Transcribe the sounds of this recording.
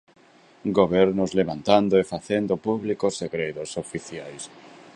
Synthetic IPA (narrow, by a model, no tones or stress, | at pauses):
ɡoβɛɾnʊzleβãnt̪and̪oefaθend̪opuβlikoseɣɾeðʊsofiθiajs